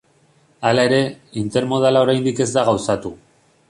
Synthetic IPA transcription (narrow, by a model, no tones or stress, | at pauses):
alae̞ɾe̞ | int̪e̞ɾmo̞ð̞alao̞ɾajnd̪ike̞zd̪aɣ̞awsat̪u